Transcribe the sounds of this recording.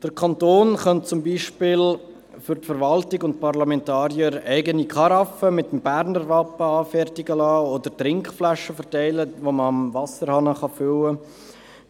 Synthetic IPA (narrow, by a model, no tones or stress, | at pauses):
d̥əɾkʰɑntoːnχœnt̚t͡sʊmbiːʃpɪl | fʏɾtfəɾvɑltɪɡʊntpɑʁlɑmɛntɑːɾjəɾæɪɡənikʰɑɾɑfəmɪtəmbæɾnəɾvɑpəɑːfɛrtɪɡəlɑːodəɾtɾɪŋkχflæʃəfəɾtæɪləvoməɑmvɑsəɾhɑnəχɑfʏlə